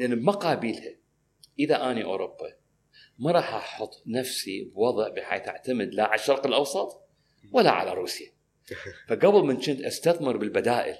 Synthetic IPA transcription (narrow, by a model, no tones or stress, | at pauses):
ʔanːbmaqaːbiːlha | ʔəðaʔaːniʔo̰ːɾʊbːa | mɑɾˤɑːħʔɑħʊt̪ˤːnafsibwɑðˤʕbɪħḛːθʔa̰ʕt̪amɪd̪laʕalaʃːɑɾˤqɪlʔɑwsˤɑt̪ˤ | walːa̰ʕa̰la̰ɾˤuːsja | faɡabɪlmɪnt͡ʃɪnt̪ʔast̪aθmɪɾbɪlbad̪aːʔɪ̰l